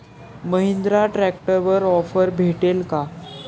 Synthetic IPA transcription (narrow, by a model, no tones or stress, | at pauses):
məɦind̪ɾaʈɾæk̚ʈəɾʋəɾɔfəɾbʱeʈelka